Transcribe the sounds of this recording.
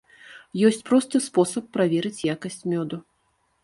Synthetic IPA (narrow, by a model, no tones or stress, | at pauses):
jɔsʲt͡sʲpɾɔst̪ɨspɔsɐpːɾavʲɛɾɨt͡sʲjakɐsʲt͡sʲmʲɔd̪u